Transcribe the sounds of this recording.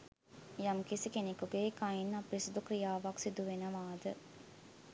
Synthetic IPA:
jamkisikenekuɡeːkainapɾisid̪ukrijaːʋaksid̪uʋenəʋaːd̪ə

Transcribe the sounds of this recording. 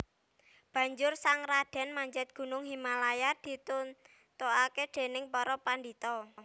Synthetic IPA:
b̥ä̤ɲd͡ʒʊrsaŋrad̥ɛ̤nmaɲd͡ʒɛt̪̚ɡ̥ṳnʊŋɦimalajad̪̥i̤t̪un | t̪oaked̪̥e̤nɪŋpɔɾɔpand̪it̪ɔ

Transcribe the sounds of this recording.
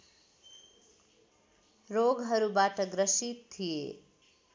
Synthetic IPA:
roɡɦʌɾubaʈʌɡɾʌsit̪t̪ʰːije

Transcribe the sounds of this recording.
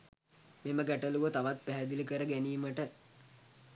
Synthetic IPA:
meməɡæʈəluʋət̪aʋat̪̚pæɦæd̪iləkəɾəɡæniːməʈə

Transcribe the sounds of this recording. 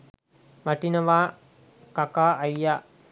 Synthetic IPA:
maʈinəʋaː | kakaːjːaː

